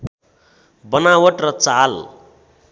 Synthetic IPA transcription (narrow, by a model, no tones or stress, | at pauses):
bʌnawʌʈrʌt͡sal